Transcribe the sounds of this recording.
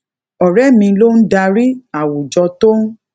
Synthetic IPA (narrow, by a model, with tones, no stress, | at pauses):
ɔ˨ɾɛ˦mĩ˧lo˦n̩˦da˧ɾi˦a˨wu˨d͡ʒɔ˧to˦